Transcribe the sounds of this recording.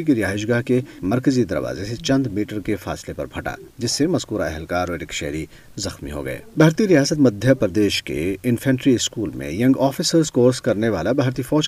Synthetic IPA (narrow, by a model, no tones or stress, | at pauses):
ikiɾijaːɪʃ̬ɡaːɦkemɐɾkəzid̪ɐ̰ɾʋa̰ːzeset͡ʃɐ̃nd̪miːʈəɾkefa̰ːslepɐ̰ɾbʱʰɐʈa̰ːd͡ʒɪsːemɐzkuːɾaɛ̰ɦɛlkaːɾeːɖɪkʃɛɦɾi | zɐxmḭɦo̰ɡɐ̰ḛːbʱaːɾt̪iɾijaːsət̪mɐd̪ʱjəpɐɾd̪eːʃkḛɪnfʰɛ̃ːɳʈɾiɪskuːlmḛ̃jɐ̃ŋɡɔːfɪsəɾzkoːɾskɐɾneʋaːlabʱaːɾt̪ifɔːd͡ʒ